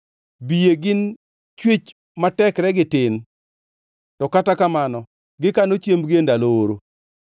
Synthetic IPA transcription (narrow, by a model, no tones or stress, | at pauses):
bijeɡɪn | t͡ʃwet͡ʃ | matɛkɾɛɡɪtɪn | tɔkatakamanɔ | ɡɪkanot͡ʃjembɡendalooɾo